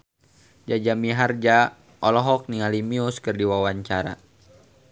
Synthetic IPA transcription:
d͡ʒad͡ʒamiɦard͡ʒa | ʔɔlɔɦɔk̚nialimiuskərdiwawaɲt͡ʃaɾa̰

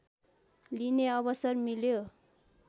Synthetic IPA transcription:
lineʌbʌsʌrmiljo

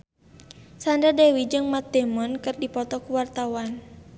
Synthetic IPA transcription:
sandadɛwid͡ʒɨŋmat̪̚dɛmɔnkɨrdipɔt̪ɔkuwart̪awan

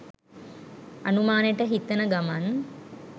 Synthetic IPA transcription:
a̰numaːnejʈəɦit̪ənəɡaman

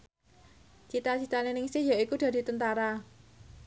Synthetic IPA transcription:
t͡ʃit̪at͡ʃit̪anenɪŋsɪhjaikud̪̥ä̤d̥i̤t̪ənt̪aɾa

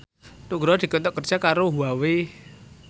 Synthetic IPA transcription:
t̪uɡɾɔd̪̥i̤kɔnt̪ɔʔkər̥ʒ̥akaɾoɦuawe

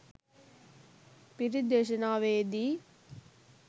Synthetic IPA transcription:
piɾid̪eʃ̬ɐnaːʋeːd̪i

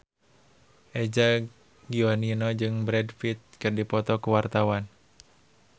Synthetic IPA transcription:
ʔɛd͡ʒa | ɡiɔninɔd͡ʒɨŋbɾɛdfit̪̚kɨrdipɔt̪ɔkuwart̪awan

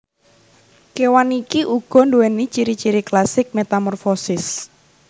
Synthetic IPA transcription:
kewanikiʔuɡ̥ɔ̤nduwɛnit͡ʃiɾit͡ʃiɾiklasɪk̚met̪amɔrfɔsɪs

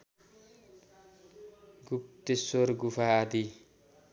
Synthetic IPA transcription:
ɡup̚t̪esoɾɡupʰaːd̪i

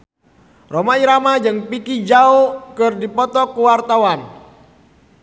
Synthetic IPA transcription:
romaiɾamad͡ʒɨŋpikid͡ʒaokɨrdipɔt̪ɔkuwart̪awan

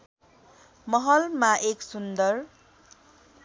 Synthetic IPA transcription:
mʌɦʌlmaʔeksund̪ʌr

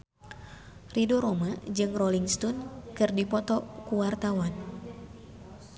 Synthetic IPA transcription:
ridoɾomad͡ʒɨŋrɔliŋst̪ɔnkɨrdipɔt̪ɔkuwart̪awan

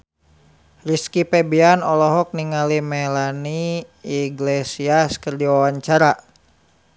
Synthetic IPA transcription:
riskipɛbianɔlɔɦɔk̚niŋalimɛlaniː | ɡlesiaskərd͡ʒiwawaɲt͡ʃaɾa

